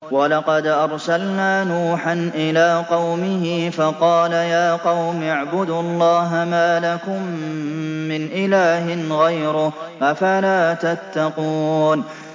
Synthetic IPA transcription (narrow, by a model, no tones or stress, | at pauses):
wɑlɑqɑd̪ʔɑɾˤsalnaːnuːħanʔɪlaːqɑwmɪɦɪfɑqɑːlajaːqɑwmaʕbʊd̪ʊɑlˤːɑːɦamaːlakʊmː | ɪnʔɪlaːɦɪnɣajɾʊʔafalaːt̪at̪ːɑquːn